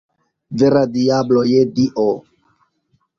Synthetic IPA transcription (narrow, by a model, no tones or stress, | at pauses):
veɾadiablojediʔo